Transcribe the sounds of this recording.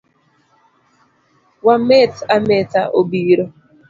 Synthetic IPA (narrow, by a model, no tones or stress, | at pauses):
wamɛt̪amɛt̪a̰ʔobiɾo